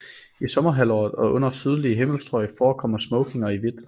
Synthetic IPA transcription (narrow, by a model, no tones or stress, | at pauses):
isɒ̽mɐɦælɒ̰ːð̩ˠɒ̽ɔ̽n̰ɐsyð̞ˠliəɦem̰l̩sd̥ʁɒ̽ɪfɒːkʰɒ̽mɐsmɔ̽ʊkʰe̝ŋɐiʋe̝d̥